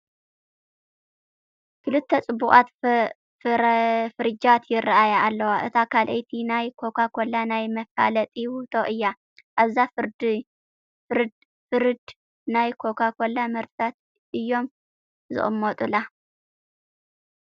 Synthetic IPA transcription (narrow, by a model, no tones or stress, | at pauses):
kʰɨlɨt̪ʰːet͡sʼɨbːuχʼat̪ | fɨɾɨd͡ʒat̪ʰjɪrːaʔajaːlːɐwaʔɨt̪ʰakʰalʔejt̪ʰinajkʰo̞kʰakʰo̞lːanajmɐfa̰lɐt̪ʼiwut̪ʰoʔɨjːa | ʔaβzafɨɾd̪ | ɾd̪ | fɨɾɨd̪ | najkʰo̞kʰakʰo̞lːamɨɾt̪at̪̚ | ʔɨjːo̞m | zɨ̰χʼɨmːot̪ʼula